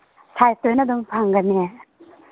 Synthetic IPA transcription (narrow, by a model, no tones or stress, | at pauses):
sʰajt̪ojnad̪ɔŋpʰaŋɡane